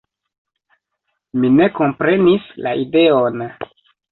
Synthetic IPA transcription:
mine̞ko̞mpɾe̞nislaʔide̞on

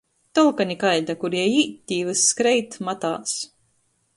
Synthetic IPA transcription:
t̪ɔlˠkanʲikajd̪akuɾjɛjiːt̪ʲːiːvɨsːkɾɛjt̪mat̪a̰ːs

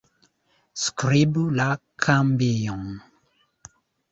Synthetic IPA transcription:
skɾibulakʰambiɔ̃ŋ

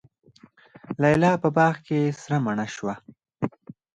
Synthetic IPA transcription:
laɪlɑpəbɑɣkesɾamaɳaʃwa

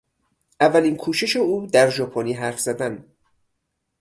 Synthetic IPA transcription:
ʔævːæliːnkʰuːʃe̞ʃe̞uːd̪æɾʒɒːpʰoniːɦæɾfz̥æd̪æn

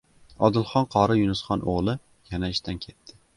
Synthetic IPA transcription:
ɒd̪ɪlˠχɒnqʰɒɾɪjʊnɪsχɒnʔoʁlˠɪ | janaɪʃt̪ʰankʲʰe̞t̪ːɪ

